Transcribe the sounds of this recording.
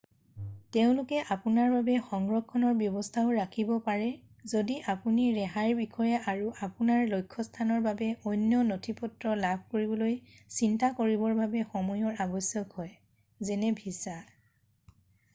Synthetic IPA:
teʊ̃lʊkɛʔapunaɹbabɛxɔŋɡɹɔkʰːɔnɔɹbjɔbɔstʰaʊɹakʰibɔpaɹɛ | zodiʔapuniɹɛɦaɹbikʰɔjɛaɹuʔapunaɹlojkʰːɔstʰanɔɹbabɛʔɔjnjɔnotʰipɔtɹɔlabʱkoɹibɔlojsintakoɹibɔɹbʱabɛxɔmɔjɔɹabɔsjɔkɦɔj | zɛnɛbʱisa

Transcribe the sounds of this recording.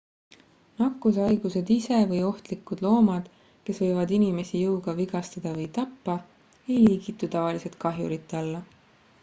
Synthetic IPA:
nɑkːˑusɑjɡ̥use̞d̪ise̞vɤjo̞ht̪likːˑud̪̥lo̞ːmɑd̪̥ | ke̞svɤ̞jvɑd̪inime̞sijɤuɡ̥ɑviɡ̥ɑst̪ɑd̪̥ɑvɤjt̪ɑpːɑ | e̞jliːɡit̪ːˑut̪ɑvɑlise̞t̪kɑɦjṵɾit̪ːˑɑlːɑ

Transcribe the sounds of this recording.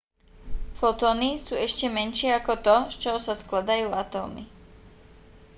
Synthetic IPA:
fɔt̪ɔːnisuːɛʃcɛmɛnʃɪɛakɔt̪ɔst͡ʃɔɦɔsasklad̪ajuːat̪ɔ̰ːmḭ

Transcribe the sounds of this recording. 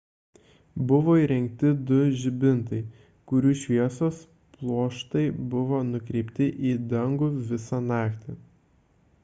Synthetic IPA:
bʊʋoːiːɾʲɛŋʲk̚t̪ʲɪd̪ʊʒʲɪbʲɪnt̪ɐɪ | kʊɾʲuːʃʲʋʲiɛsoːs | plˠoːʃt̪ɐɪbʊʋoːnʊkɾʲɛɪpʲt̪ʲɪʔiːd̪ɐŋɡuʋʲɪsɑnɑːkt̪ʲɪ

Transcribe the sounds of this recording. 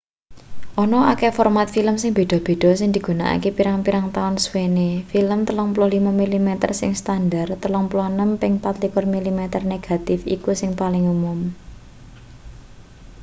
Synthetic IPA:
ʔɔnɔakɛfɔrmat̪filəmsɪŋb̥e̤ɖ̪̥ɔ̤b̥e̤ɖ̥ɔ̤sɪŋd̪i̤ɡ̥ṳna̰ʔa̰kepiɾaŋpiɾaŋt̪aʊnswenefiləmt̪əlɔŋpulʊhlimamilimet̪ə̰rsɪŋst̪andart̪əlɔŋpulɔhnəmpɪŋpat̪likʊrmilimet̪ərneɡ̥a̤t̪ɪfḭkusɪŋpalɪŋumʊm

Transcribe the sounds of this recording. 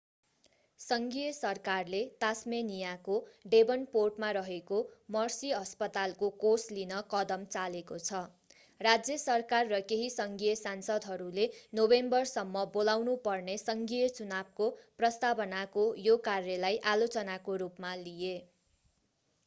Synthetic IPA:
sʌŋɡijʌsʌrkarlet̪asmenijakoɖebʌnporʈmaɾʌɦekomʌrsiʌspʌt̪alkokoslinʌkʌd̪ʌmt͡salekot͡sʰʌ | rad͡zjʌsʌrkarːʌkeɦisʌŋɡijʌsansʌd̪ʱɦʌɾulenobembʌrsʌmːʌbolawnupʌrnesʌŋɡijʌt͡sunab̚koprʌst̪abʌnakojokarjʌlajʔalot͡sʌnakoɾupmalije

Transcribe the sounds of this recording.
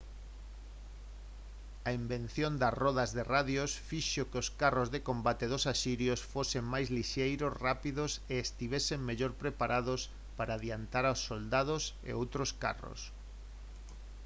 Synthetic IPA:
ɐimbẽn̟θjond̪ɐrɔðazðeraðjosfiʃokeoskarozðekombat̪eðʊsasiɾjosfoseŋmajzliʃejɾosrapiðoseːst̪iβeseŋmeʎoɾpɾepaɾʔaðos | paɾaːðjant̪aɾawsːold̪aðos | ḛowt̪ɾoska̰ro̰s

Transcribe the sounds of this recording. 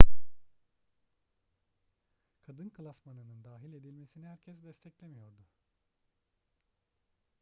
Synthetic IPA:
kʰad̪ɯnkʰlˠasmanɯnɯnd̪aːɦilʲe̞d̪ilʲme̞sinihæɾcʰɛsd̪ɛst̪ʰɛclʲemijo̞ɾd̪ʊ

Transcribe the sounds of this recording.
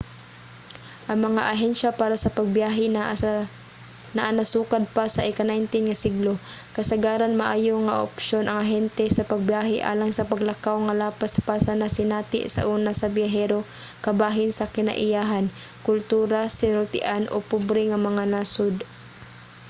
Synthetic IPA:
ʔɐŋmɐŋa̰ʔɐɦɛnʃapaːɾasɐpɐɡ̚bjaːɦɪ | nɐʔanɐsuːkad̪̚pasɐʔɛkanajnt̪ɪnŋɐsɪɡlokɐsɐɡaːɾanmɐʔaːjoŋɐʔo̰pʃonʔɐŋɐɦɛnt̪ɛsɐpɐɡ̚bjaːɦɪʔa̰ːlaŋsɐpɐɡlɐkawŋɐlaːpaspasɐnɐsɪnaːt̪ɪ̰ʔsɐ̰ʔuːnasɐbjaɦɛːɾo | kɐbaːɦɪnsɐkɪna̰ʔɪjaːɦan | kʊlt̪uːɾasɪnɾʊt̪ɪʔanʔo̰pʊbɾɪŋɐmɐŋanaːsod̪

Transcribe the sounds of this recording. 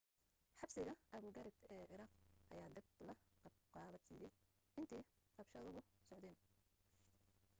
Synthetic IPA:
ħɑbsɪɣɐʔɐɣʊɡɐɾɪbɛːʔɪɾɑːqʔɐ̰jaːd̪ɪb̚lɐqɑqɑːlɐsḭːjɛj | ɪnt̪ʰɛː | rɐbʃɐðʊɣʊsɔʕd̪ɛːn

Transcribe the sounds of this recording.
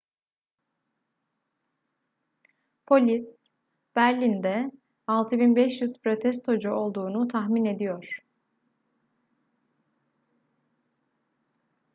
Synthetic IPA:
pʰo̞lʲis | b̥æɾlʲind̪ɛ | alˠt̪ʰɯbinbɛʃjyzpɾo̞t̪ʰɛst̪ʰo̞d͡ʒuo̞lˠd̪uːnut̪ʰaxmine̞d̪ijo̞ɾ̥

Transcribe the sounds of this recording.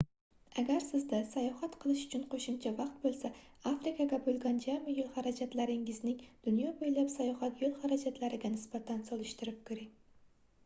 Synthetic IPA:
aɡʲaɾsɪzd̪asajɒhat̪qʰɨlˠɪʃʊ̥t͡ʃʰʊnqʰoʃɪmt͡ʃʰavɑqt̪̚bolˠsa | afɾɪkʰaɡʲabolˠɡʲɒnd͡ʒamɪjolˠχaɾad͡ʒat̪laɾɪŋɪznɪŋd̪̥ʊnjɒbojlapsajɒhat̪jolˠχɑɾad͡ʒat̪laɾɪɡʲanɪsbat̪ʰansɒlˠɪʃt̪ɪɾɪp̚kʰʊɾɪŋ

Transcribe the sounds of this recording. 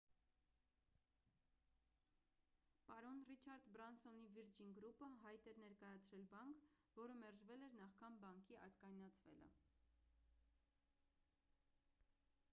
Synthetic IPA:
pɑɾɔnrit͡ʃʰɑɾd̪bɾɑnsɔniviɾd͡ʒinɡɾupəɦɑjt̪ɛɾnɛɾkɑjɑt͡sʰɾɛlbɑŋkʰ | vɔɾəmɛɾʒvɛlɛɾnɑχkʰɑnbɑŋkʰiʔɑzkɑjnɑt͡sʰvɛ̰lə̰

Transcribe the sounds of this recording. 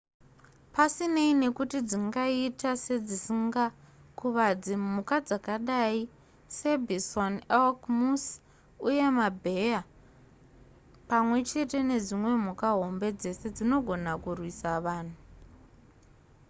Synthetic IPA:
pasine̞ine̞kutid͡ziŋɡaitase̞d͡zisiŋɡa | kuʋad͡zimukad͡zakaɗai | se̞bʱisonelkmus | uje̞mabʱe̞ja | pamwe̞t͡ʃe̞te̞ne̞d͡zimwe̞m̤ukaɦo̞mbe̞d͡ze̞se̞d͡zino̞ɡʱo̞nakurwisaʋaːn̤u

